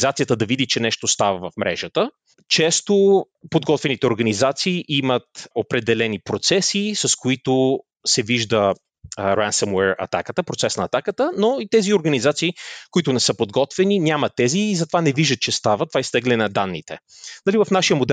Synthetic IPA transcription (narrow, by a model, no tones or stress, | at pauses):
zat̪sijət̪əd̪ɐvid̪it͡ʃɛnɛʃt̪ost̪avəvɐfmɾʔɛ̰ʒət̪ə | t͡ʃɛst̪o | pod̪ɡɔt̪vɛnit̪ɛoɾɡɐnizat̪siːʔimət̪opɾɛd̪ɛlɛnipɾot̪sɛsisɐskoit̪o | sɛviʒd̪ə | ɾansəmwɛɾɐ̰t̪akət̪əpɾot̪sɛsnɐɐːt̪akət̪ənoit̪ɛzioɾɡɐnizat̪siːkoit̪ʊnɛsɤpod̪ɡɔt̪vɛninʲamɐt̪ːɛziːzɐt̪ovanɛviʒd̪ət̪̚t͡ʃɛst̪avət̪ovaist̪ɛɡlɛnɐd̪anːit̪ɛ | nɐlivɐfnaʃijəmod̪ɛ